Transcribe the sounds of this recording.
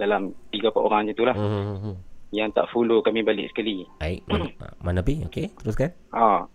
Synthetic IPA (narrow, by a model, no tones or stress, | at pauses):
dalamt̪iɡapaʔoɾaŋd͡ʒit̪ulah | jaŋt̪a̰ʔfulokamĩbalɪ̰k̚sə̥kalibaiʔ̚manapioket̪əɾʊskan | ʔɔ